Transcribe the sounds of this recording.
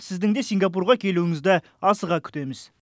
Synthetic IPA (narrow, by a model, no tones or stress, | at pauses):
sɪzd̪ɪŋd̪e̞sijŋɡɑp̬urʁɑkʲʰe̞luwɪŋɪzd̪ɪ | ɑsəʁɑkʲʰʏ̥t̪e̞mɪz